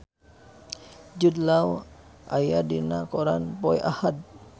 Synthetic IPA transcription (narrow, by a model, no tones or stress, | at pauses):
d͡ʒud̪lawa̰jadinakɔɾa̰npɔjʔa̰had̪̚